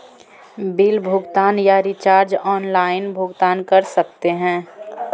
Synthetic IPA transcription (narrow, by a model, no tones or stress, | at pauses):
biːlbʱʊɡt̪aːnjaɾit͡ʃaːɾd͡ʒɔːnlaːɪnbʱʊɡt̪aːnkɐɾsɐkt̪eɦɛ̃ː